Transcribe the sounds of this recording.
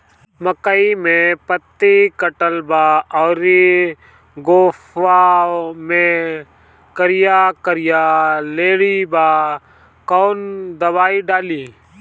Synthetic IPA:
məkəimẽpət̪ːikəʈəlbaːɔːɾi | ɡoːfamẽ | kəɾɪjakəɾɪjaːleːɽibaː | koːnd̪əbaːiɖaːliː

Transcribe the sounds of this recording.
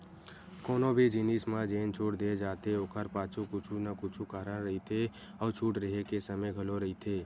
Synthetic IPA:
kɔːnobʱid͡ʒinismãd͡ʒeːnt͡ʃʰoːʈd̪eːd͡ʒaːt̪eoːkʰəɾpãːt͡ʃʰukʊt͡ʃʰunəkʊt͡ʃʰukaːɾənɾəɦit̪ʰe | ɔːɾt͡ʃʰuːʈɾəɦekesəməjɡʱəloɾəɦit̪ʰeː

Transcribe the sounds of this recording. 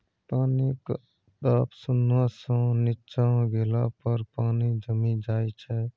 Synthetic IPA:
panik | t̪apsunwasə̃nitːt͡ʃaɡelapəɾpanid͡ʒəmind͡ʒajt͡ʃʰɛ

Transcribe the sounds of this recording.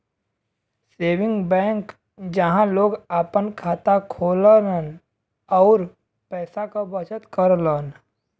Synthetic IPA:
seːʋɪ̃ŋɡbɛ̃ːŋk | d͡ʒəɦãloːɡaːpənkʰaːt̪akʰoːlənən | ɔːɾ | pɛːsakobət͡ʃət̪kəɾləːn

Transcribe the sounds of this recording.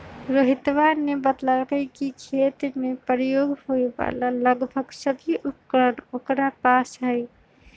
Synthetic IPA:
ɾəɦit̪ʋanebət̪lalkəɪkikʰet̪mepɾjoɡhoeba̰laləɡbʱəɡsəbʱiʔup̚kɾənokɾapasɦəɪ

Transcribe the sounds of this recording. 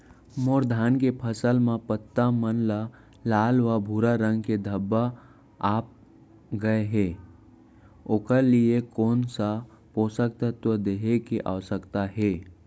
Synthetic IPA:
moːɾd̪ʱaːnkepʰəsəlmãpət̪ːamənla | laːlʋabʱuːɾaɾə̃ŋɡked̪ʱəbːa | aːp̚ | ɡəeɦɛː | oːkəliekoːnsa | poːsək̚t̪ət̪wəd̪eːɦekeʔa̰ːʋsəkt̪aɦeː

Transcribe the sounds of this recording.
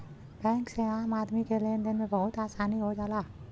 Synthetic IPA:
b̥ɛ̃ŋksẽŋãəmaːd̪mikelend̪enmẽbəɦut̪aːsaːniɦod͡ʒala

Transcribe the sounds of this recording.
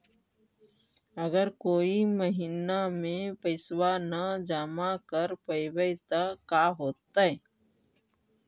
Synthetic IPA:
əɡəɾkoːiməɦinamẽpəɪswanad͡ʒaːmakəɾpəɪwət̪akaɦoːt̪ːaɦɛ

